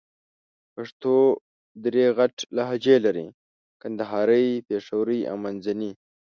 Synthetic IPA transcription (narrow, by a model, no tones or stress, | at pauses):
paʂt̪o | d̪ɾeɣaʈlaɦad͡ʒelaɾḭ | kand̪aɦɑɾəjpeʂawɾəja̰wmanzani